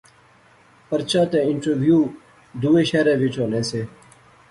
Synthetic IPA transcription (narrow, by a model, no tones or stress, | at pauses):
pəɾt͡ɕãːt̪eɪɳʈəɾʋjuː | d̪uːeɕeːɾẽːʋit͡ɕoːlẽːseː